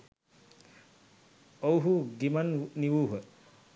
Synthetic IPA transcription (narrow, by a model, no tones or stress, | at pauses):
owɦuɡimanniwuɦə